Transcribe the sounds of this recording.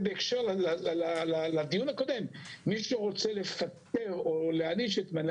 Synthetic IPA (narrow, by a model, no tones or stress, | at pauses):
beekʃeʁlaalalad̪ijunako̞d̪e̞mːiʃuʁo̞t͡sele̞fat̪e̞ʁoleaniʃet̪man